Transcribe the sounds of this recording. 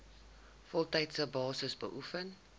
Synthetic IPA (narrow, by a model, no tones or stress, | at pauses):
fɔlˠtɛjtsəbɑːsəsbə̰ʔufən